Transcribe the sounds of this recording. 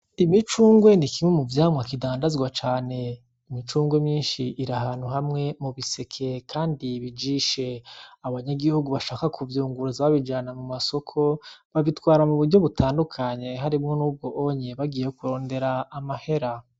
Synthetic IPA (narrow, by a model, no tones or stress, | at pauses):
imit͡ʃuːŋɡwe̞nikimwemuvjaːmŋakidaːndazɡwat͡ʃaːne̞ | imit͡ʃuːŋɡwe̞mɲiːnʃiʔiɾaɦaːn̥huɦamŋe̞muβise̞kʰe̞kʰaːndiβid͡ʒiːʃe̞aβaɲaɡihuɡuβaʃaːkakʰuvjuːŋɡuɾuzaβaβid͡ʒanamumaso̞kʰo̞βaβitwaːɾamuβuɾɟo̞βutʰaːndukʰaɲe̞ɦaɾimŋo̞nuːb̚ɡo̞ʔoɲeβaɡiːjekuɾo̞ːnde̞ɾaːmahe̞ɾa